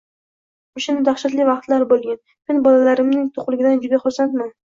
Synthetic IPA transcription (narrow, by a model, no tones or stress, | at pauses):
ʊʃamʊd̪aχʃat̪lɪvɑqt̪laɾbolˠɡʲan | menbɒlalaɾɪmnɪŋt̪ʰoqlˠɪɡʲɪd̪and͡ʒʊd̪aχoɾsant̪man